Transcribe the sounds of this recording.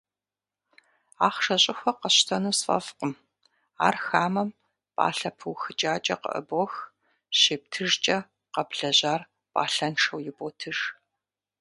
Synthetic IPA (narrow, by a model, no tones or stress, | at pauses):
aːχʂɐɕʼɪxʷɔqɐɕtʰɐnuːsfɐ̰fqəm | a̰ːrxaːmɐm | pʼa̰ːɬɐpʰɨwxɨt͡ʃʼaːt͡ʃʼɐqə̰ʔə̰bɔx | ɕeːp̚tʰɨʒt͡ʃʼɐ | qɐbɮɐʑaːr | pʼa̰ːɬɐnʈ͡ʂʰɐwjɪboːtʰɨʒ̥